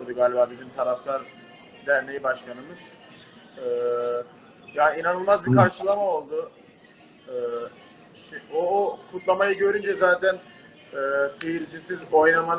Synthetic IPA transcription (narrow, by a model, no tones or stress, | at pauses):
d̪uɡaːlʲibaːbizimt̪ʰaɾaft̪ʰaɾ | d̪æɾnejibaʃkʰanɯmɯz̥ | ɯː | jaːniinanɯlˠmazbiɾkʰaɾʃɯlˠamao̞lˠd̪ʊ | ɯː | ʃokʰut̪lˠamajɯɟø̞ɾynd͡ʒɛzaːt̪ʰæn | ɛːsejiɾd͡ʒisizo̞jnaman